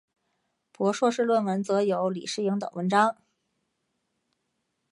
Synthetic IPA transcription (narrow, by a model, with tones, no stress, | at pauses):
pwɔ˧˥ʂwɔ˥˧ʂɻ̩˥˧lwə˥˩nwə˧˥nt͡sɤ˧˥jo˧˥ʊlḭ˨˩ʂɻ̩˥˩i˧˥ŋt̪ɤ̰˨˩ŋwʔə˧˥nʈ͡ʂɑ˥ŋ